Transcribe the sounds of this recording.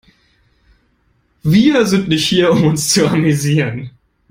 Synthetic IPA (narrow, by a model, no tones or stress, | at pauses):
viːɐzɪntnɪçthiːɐʊmʊnst͡suamyziːʁən